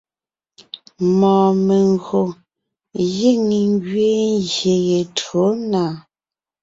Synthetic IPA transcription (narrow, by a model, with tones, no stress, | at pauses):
mɔ̃ː˨me˨ŋɣo˨ | je˦˨ŋi˨ŋ˦ɡɥe˦ŋzje˨je˨tɰo˨˦na˨